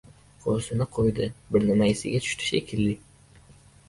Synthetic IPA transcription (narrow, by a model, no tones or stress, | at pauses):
qʰosɪnɪqʰojd̪ɪbɪɾnɪmaɪsɪ̰ɡʲat̪ʰʊ̥ʃt̪ʰɪ̥ʃḛkʲʰɪlːɪ